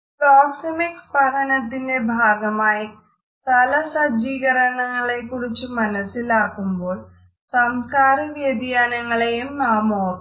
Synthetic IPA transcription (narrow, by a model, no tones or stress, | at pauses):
proːksimikspɐɾʰɐnɐt̪ːinde̞bʱaːɡɐmaːji | t̪ɐlɐsɐd͡ʑiːɣɐɾɐɳɐŋːɐɭekːurit͡ɕːumɐnɐsilaːkːumbo̞ːɭ | sɐmskaːɾiʋjɐd̪jaːnɐŋːɐɭejumnaːmoː